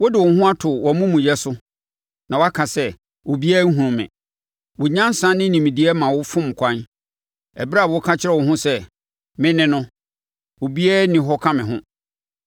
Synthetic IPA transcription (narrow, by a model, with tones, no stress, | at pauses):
wo˦dɪ˨wɔ˨˦hʊ̃˦a˦tʰʊ˨wɔ˨mũ˦mũ˨jɛ˦sʊ˦ | nã˨wɔ˦a˦kʰã˨sɛ˦ | wo˨bi˦ɛ˦ŋ̩˦ɦũ˨ʊ̃˨mɪ̰̃˨ | wʊ˨ɲã˦n˦sã˦nɪ̃˦nĩ˨mĩ˨di˨˦ɛ˦mã˨wʊ˦fʊ̃˦m˨kʷʰã˦n | ɛ̰˨bɾa˦˨wkʰa˦t͡ɕʰɪ˦ɾɛ˦˨wʊ˨ɦʊ̃˦sɛ˦ | mɪ̃˦nɪ̃˦nʊ̃˦ | wo˨bi˦ɛ˦nɪ̃˨ɦɔ˦kʰã˦mɪ̃˨ɦʊ̃˦